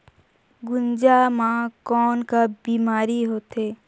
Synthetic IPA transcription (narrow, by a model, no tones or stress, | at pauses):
ɡʊnd͡ʒamãkɔːnkabiːmaːɾiɦoːt̪eː